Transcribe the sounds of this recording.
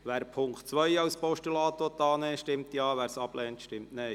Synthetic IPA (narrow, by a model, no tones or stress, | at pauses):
ʋæːɾpʰʊŋktt͡sʋœjɑʊspɔʃtylɑːt̪ʋɔt̪ːɑːnɛːʃtɪmt̪jɑːʋæːɾsɑb̥lɛːnt̪ʃtɪmtnɛ